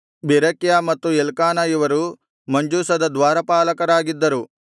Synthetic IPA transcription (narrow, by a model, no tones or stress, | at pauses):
beɾɐkjamɐt̪ːuɛlkaːnɐjuʋɐɾu | mɐɲd͡ʒuːsɐd̪ɐd̪ʋaːɾɐpaːlɐkɐɾaːɡid̪ːɐɾu